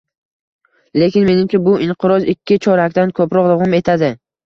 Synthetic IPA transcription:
le̞kʲɪnme̞nɪmt͡ʃʰʲabʊʔɪɴqʰɨɾɒzɪkʲʰːɪt͡ʃʰɒɾakʲt̪ankʰɵpɾɒqɾʊʁɨme̞t̪ʰad̪ɪ

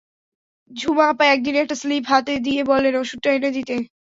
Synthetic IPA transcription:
d͡ʑʱumapaɛk̚d̪inɛk̚ʈaslipɦat̪ed̪iebɔlːenoʃuʈːaɦened̪it̪e

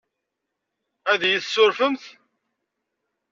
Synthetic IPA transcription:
æðjəθsːʊɾfəmθ

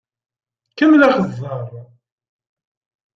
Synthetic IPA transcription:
kəmːlaχəzˤːəɾˤ

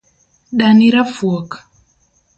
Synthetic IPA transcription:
ɗaniɾafuɔkḁ

